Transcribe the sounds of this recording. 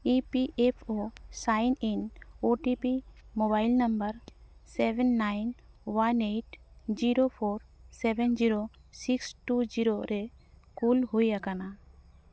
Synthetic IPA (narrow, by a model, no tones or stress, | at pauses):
ipiʔepʰosajninoʈipimobajlnambəɾsebʱɛnːajn | waneʈd͡ʒiɾopʰoɾsɛbɛnd͡ʒiɾosiksʈud͡ʒiɾoɾɛkulɦojakana